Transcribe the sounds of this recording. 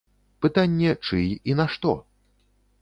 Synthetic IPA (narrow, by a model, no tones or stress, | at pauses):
pɨt̪anʲːɛt͡ʂɨ̰jinɐʂt̪ɔ̰